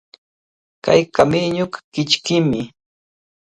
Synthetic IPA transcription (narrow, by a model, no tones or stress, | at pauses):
kajkamɪɲokḁkɪt͡ʃkɪmɪ